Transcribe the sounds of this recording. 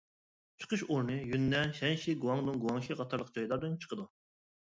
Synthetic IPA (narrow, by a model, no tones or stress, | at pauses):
t͡ʃʰə̥qʰəʃoɾnɨjynːɛnʃɛnʃiɡuwɑŋd̪ɨnɡuwɑŋʃiʁɑt̪ʰɑɾlˠəq̚d͡ʒɑjd̪ɑb̪nt͡ʃʰə̥qʰəd̪u